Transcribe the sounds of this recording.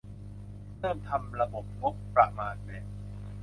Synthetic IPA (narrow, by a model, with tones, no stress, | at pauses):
ɾɤː˥˩mt̪ʰa˧mɾa˧bo˨˩p̚ŋo˦˥pːɾa̰˨˩ʔmaː˧e˨˩